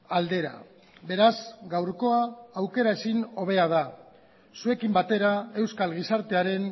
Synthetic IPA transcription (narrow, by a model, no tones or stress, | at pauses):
ald̪e̞ɾa̰ | be̞ɾazɡawɾko̞aːwke̞ɾae̞sino̞β̞e̞að̞a | sue̞kimbat̪e̞ɾae̞wskalɣisaɾt̪e̞aɾe̞n